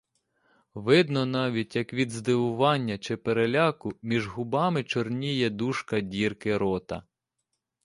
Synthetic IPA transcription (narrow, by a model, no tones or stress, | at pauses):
ʋɪd̪nɔnɑʋʲitʲjɐkʋʲid̪zd̪ɪʋʊʋɑnʲːɐt͡ʃɪpeɾelʲɑkʊmʲiʒɦʊbɑmɪt͡ʃɔrnʲijɛd̪uʃkɐdʲirkɪɾɔt̪ɐ̰